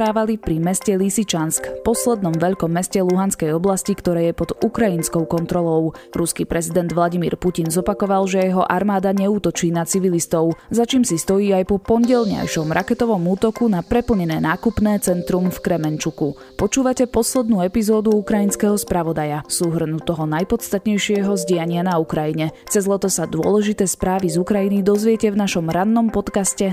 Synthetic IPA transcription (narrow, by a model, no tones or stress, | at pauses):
aːʋalipɾimɛscɛlisit͡ʃanskpɔslɛd̪nɔmʋɛʎkɔmːɛscɛluɦanskɛjɔblascikt̪ɔɾɛːjɛpɔd̪ukɾainskɔʊkɔnt̪ɾɔlɔʊɾuskipɾɛzid̪ɛnd̪ʋlˠaɟimḭɾpucinzɔpakɔʋalʒɛjɛɦɔʔaɾmaːd̪aɲɛuːt̪ɔt͡ʃiːnat͡siʋilist̪ɔʊzat͡ʃiːmsist̪ɔjiːajpɔpɔɲɟɛʎɲa̰jʃɔmɾʔakɛt̪ɔʋɔmuːt̪ɔkunapɾɛpl̩ɲɛnɛːnaːkupnɛːt͡sɛnt̪ɾumfkɾɛmɛnt͡ʃuku | pɔt͡ʃuːʋacɛpɔslɛd̪nuːɛpizɔːd̪uukɾajinskɛɦɔspɾaʋɔd̪ajasuɦr̩nut̪ɔɦɔnajpɔt̪st̪at̪ɲɛjʃɪɛɦɔzɟɪaɲɪanaukɾajiɲɛt͡sɛzlɛt̪ɔsad̪ʊɔ̰lɛʒit̪ɛːspɾaːʋizukɾajinid̪ɔzʋɪɛcɛvnaʃɔmɾanːɔmpɔt̪kascɛ